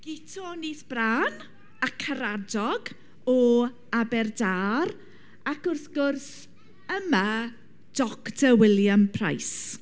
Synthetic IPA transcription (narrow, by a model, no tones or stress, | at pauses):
ɡ̥ɪtʰɔniːθb̥raːn | akʰːaɾadɔɡ | ɔ | abɛrdaːɾ | akʊrθɡʊrs | əma | d̥ɔkdʰəwɪljampʰra̰js